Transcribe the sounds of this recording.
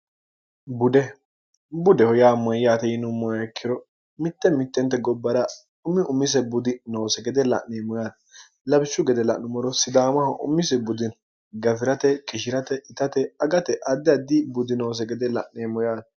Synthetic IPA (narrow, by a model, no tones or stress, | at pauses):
bʊd̪ɛ | bʊd̪ɛhɔjaːmɐjːaːt̪ɛjɪnʊmːɔjɐɛkʰːɪɾɔ | mɪt̪ːɛmɪt̪ːɛnt̪ːɛɡɔbːɐɾɐ | ʊmːɪʔʊmːɪs̬ɛbʊd̪ɪnoːsɛɡɛd̪ɛlɐ̰ʔneːmɔjaːd̪ɐ | lɐbɪsːʊɡɛd̪ɛlɐ̰ʔnʊmɔɾɔsɪd̪aːmɐhɐʔʊ̰mːɪs̬ɛbʊd̪ɪn | ɡɐfɪɾɐt̪ɛkʼɪʃɪɾɐt̪ɛɪt̪ɐt̪ɛɐɡɐt̪ɛʔɐd̪ːɪɐd̪ːɪbʊd̪ɪnoːs̬ɛɡɛd̪ɛlɐ̰ʔneːmɔjaːt̪